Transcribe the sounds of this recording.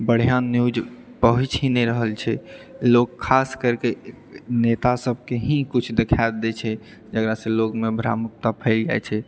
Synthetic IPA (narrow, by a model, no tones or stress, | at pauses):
bəɽ̤ijanjud͡ʒpəɦut͡ʃɦĩnɛɾəɦəlt͡ʃʰɛlokʰːaskəɾke | net̪asəbʱkeɦĩkut͡ʃʰd̪ekʰad̪ɛt͡ʃʰɛ | d͡ʒəɡɾasẽlokmebʱɾa̰muk̚t̪apʰɛld͡ʒa̰et͡ʃʰɛ